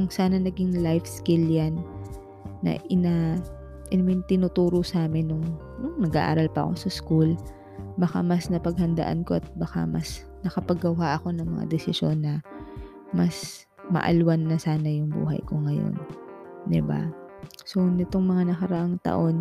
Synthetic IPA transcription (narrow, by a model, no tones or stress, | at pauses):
kʊŋsaːnɐnɐɡɪŋlajfskɪljanː | ɐ̰ʔɪna | ʔɪnmɪnt̪ɪnʊt̪uːɾosaːmɪnːʊŋ | nʊŋnɐɡa̰ʔa̰ːɾɐlpɐʔɐ̰ko̞̰sɐskul | bɐxa̰mɐsnɐpɐɡ̚hɐnd̪ɐ̰ʔa̰nko̞ʔɐt̪̚bɐka̰mɐ̰s | nɐkɐpɐɡɐwɦaʔɐko̞nɐŋmɐ̰ŋa̰d̪ɛsɪʃonːɐ | mɐs | mɐ̰ʔɐ̰lwanːɐsaːnɐjʊŋbṵːɦɐ̰jko̞ŋɐjo̰nd̪ɪba̰so̞nɛt̪o̞ŋmɐŋanɐkɐɾɐʔaŋt̪ɐ̰ʔo̞n